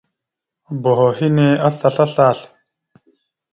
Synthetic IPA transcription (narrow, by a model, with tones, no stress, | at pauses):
bo˨ɦo˨hi˦ne˦a˦ɬa˨ɬa˦ɬa˦˨ɬ